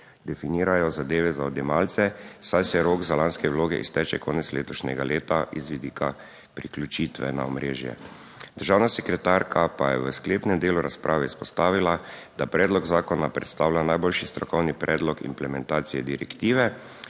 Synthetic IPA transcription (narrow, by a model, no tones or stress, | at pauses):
d̪ɛfiniːɾajɔzad̪eːʋɛzaɔd̪jɛmalt̪sɛsajsɛjɛɾoɡzalanskɛwloːɡɛ̰ʔḭst̪ɛːt͡ʃɛkoːnɛt̪slḛːt̪ɔʃnʲɛ̰ɡaleːt̪aʔizʋid̪iːkʰa | pɾiklʲut͡ʃiːt̪ʋɛ̰naɔmɾḛːʒjɛ̰ | d̪əɾʒaːwnasɛkɾɛt̪aɾkʰapajɛʋəskleːpnɛmd̪eːluɾaspɾʔaːʋɛispɔst̪aːʋilad̪apɾɛːd̪lɔɡzaːkɔnapɾɛ̰t̪st̪aːwlʲanajboːlʃist̪ɾɔkɔwnipɾʔɛːd̪lɔkḭmplɛmɛnt̪aːt̪sijɛd̪iɾɛkt̪iːʋɛ